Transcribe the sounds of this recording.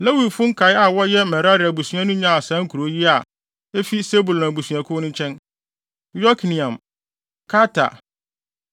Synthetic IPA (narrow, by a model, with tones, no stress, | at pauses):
la˦wi˨fʊ̃˦ŋ̩˦kʰa˨ɪ˦a˨wɔ˦jɛ˦mɛ˨ɾa˦ɾɪ˨a˨bu˨sɥã˦nʊ̃˦ɲã˦a˨sã˨˦ŋ̩˦kʰu˨ɾo˦ji˦a˨ | e˦fi˦se˦bu˨lnã˨bu˨sɥã˨kʰʊ˦nʊ̃˦t͡ɕʰɛ̃˦n | jɔ˦kʰnĩ˨ã˨m | kʰa˦tʰa̰˨